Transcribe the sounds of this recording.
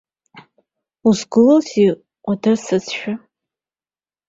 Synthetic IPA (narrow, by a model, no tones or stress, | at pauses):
usɡɨlozi | qʷʼadɨrsɨt͡sʰʃᶣa